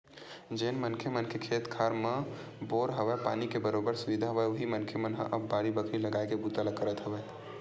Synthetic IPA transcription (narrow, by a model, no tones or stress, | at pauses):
d͡ʒeːnmənkʰemənkʰekʰeːt̪kʰaːɾmə̃ | boːɾɦɐʋɛpa̰ːnikebəɾoːbəɾsʊʋid̪ʱaɦʋaʋʊɦimənkʰemənɦã̰ʔɐbːaːɾibəkʰɾiləɡaːekebut̪aləkəɾət̪ɦəʋeː